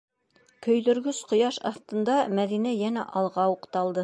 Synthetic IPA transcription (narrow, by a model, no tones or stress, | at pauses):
kɵ̆jðɵ̆ɾɡɵsqŏjɑʃɑθt̪ɤ̆nd̪ɑmæðinæjænæʔɑlˠʁɑuqt̪ɑlˠd̪ɤ